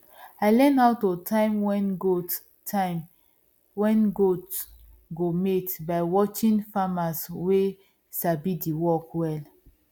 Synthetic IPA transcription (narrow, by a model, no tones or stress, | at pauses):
aɪlɛ̃naʊtːotʰaɪmwɛnɡot | a | wɛ̃nɡot | ɡometbaɪwɔt͡ʃĩnfamaswe | sabidiwɔkwɛl